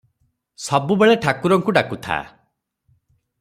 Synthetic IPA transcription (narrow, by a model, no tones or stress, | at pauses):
sɔbubeɭeʈʰakuɾɔŋkuɖakut̪ʰa̰